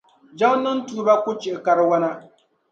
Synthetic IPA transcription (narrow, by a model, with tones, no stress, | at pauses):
d͡ʒa˦ŋ˦nɨ˦n˦tu˨˦ba˦kʊ˦t͡ʃɪ˨ɪ˨ka˨ɾɨ˦wa˦na˦